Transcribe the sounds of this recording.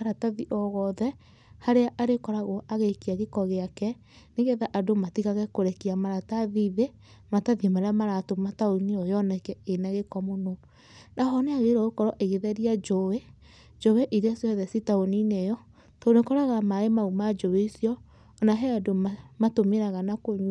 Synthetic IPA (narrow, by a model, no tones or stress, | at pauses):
aɾataðiʔɔɣɔðɛ | haɾeaʔaɾekɔɾaɣoʔaɣekiaɣekɔɣeakɛ | neɣɛðaʔadomatiɣaɣɛkoɾɛkiamaɾataðiðe | mataðimaɾeamaɾatomataoniɔjɔnɛkɛenɛɣekɔmono | naɦɔneaɣeɾɔɣokɔɾɔʔeɣeðɛɾiad͡ʒowe | d͡ʒoweʔiɾiasiɔðɛsitaoninɛjɔ | tonekɔɾaɣamaɾemaumad͡ʒoweisjɔ | naɦɛadomamatomeɾaɣanakoɲ